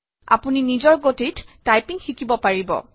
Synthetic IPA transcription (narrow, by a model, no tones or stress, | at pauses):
a̰puninizɔɹɡotitːajpiŋxikibɔpaɹibɔ̰